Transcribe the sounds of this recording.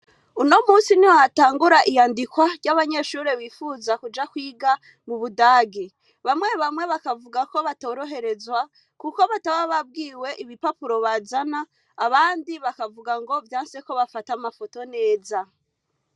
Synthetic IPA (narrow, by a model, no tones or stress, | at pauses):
uno̞muːsiniwaataːŋɡuɾaʔijaːndikwaɾɟaβaɲe̞ʃuɾeβiːfuzakud͡ʒakwiːɡa | muβudaːɡe | βamŋe̞βamŋe̞βakavuɡako̞βatoːɾo̞ɦe̞ɾe̞zwa | kukoβataβaβab̚ɡiːwe̞ʔiβipapuɾo̞βazanaː | βaːndiβakavuɡaŋɡo̞vjaːnse̞ko̞βafatamafo̞to̞ne̞ːza